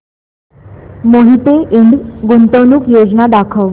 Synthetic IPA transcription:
moɦit̪eʔiɳɖɡunt̪əwnukjod͡ʑnad̪akʰəʋ

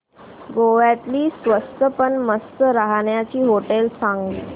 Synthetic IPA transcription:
ɡoʋjat̪liːsʋəst̪əpəɳməst̪əɾaɦɳjat͡ɕiːɦoʈelsãŋɡiː

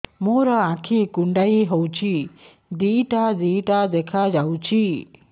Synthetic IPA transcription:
moɾɔakʰikuɳɖaiɦɔwt͡ʃi | d̪iʈad̪ijʈad̪ɛkʰad͡ʒawt͡ʃi

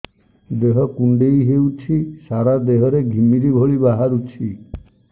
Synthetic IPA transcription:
d̪eɦɔkuɳɖejɦewt͡ʃʰisaɾad̪eɦɔɾeɡʱimiɾibʱoɭibaɦaɾut͡ʃʰi

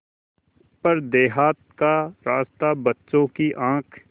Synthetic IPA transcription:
pɐɾd̪eːɦaːt̪̚kaɾaːst̪abɐtːʃõkiʔãːkʰ

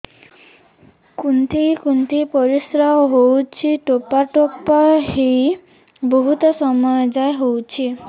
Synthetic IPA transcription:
kunt̪ʰikunt̪ʰipɔɾisɾawɔɦowt͡ʃʰiʈopaʈopaɦi | bɔɦut̪ɔsɔmɔjɔd͡ʒajɦowt͡ʃʰi

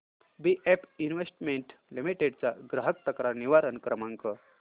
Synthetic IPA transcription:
biʔepinʋesʈmeɳʈlimiʈeɖt͡saɡɾaɦək̚t̪əkɾaniʋaɾənkɾəmãŋkə

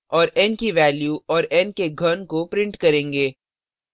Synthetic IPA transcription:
ɔːɾɛnkiʋɛːljuɔːɾɛnkeɡʱɐnkopɾɪ̃ɳʈkɐɾẽːŋɡeː

